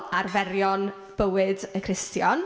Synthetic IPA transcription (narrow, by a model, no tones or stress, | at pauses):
arvɛɾjɔn | b̥əwɨdəkʰrɪstjɔn